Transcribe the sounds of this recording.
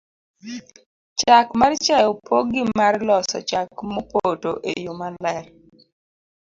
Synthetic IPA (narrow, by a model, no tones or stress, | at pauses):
t͡ʃakmaɾt͡ʃajɔpʰoɡɪmarlɔsɔ̰t͡ʃakmopotoʔejomalɛr